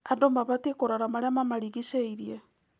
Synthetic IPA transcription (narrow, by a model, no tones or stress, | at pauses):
adomaβatekoɾaɾamaɾeamamaɾiɣiʃeiɾiɛ